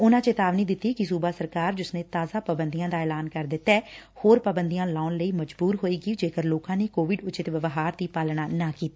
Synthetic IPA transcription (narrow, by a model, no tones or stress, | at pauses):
ʊnãːt͡ʃeːt̪aːʋniːd̪ɪt̪ːiːkɪsuːbaːsəɾkaːɾd͡ʒʊsnẽːt̪aːzaːpabənd̪ijãːd̪aːɛːlaːnkəɾd̪ɪt̪ːɛːhoːɾpaːbənd̪ijãːlaːnləiːməd͡ʒbuːɾɦoːiːɡiːd͡ʒeːkəɾloːkãːneːkoːʋɪɖʊt͡ʃɪt̪ʋəʋɦaːɾd̪iːpaːlɳaːnaːkiːt̪aː